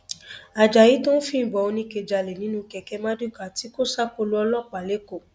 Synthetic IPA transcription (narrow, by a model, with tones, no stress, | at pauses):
a˨d͡ʒa˨ji˨˦to˦fĩ˦n̩˨bɔ˨o˧nĩ˧˦ke˨d͡ʒa˨le˨nĩ˨˦nũ˦˧kɛ˧kɛ˧mã˦du˦˨ka˨ti˨˦ko˦sa˦ko˧lu˧˦ɔ˧lɔ˦k͡pa˨le˨˦ko˦˨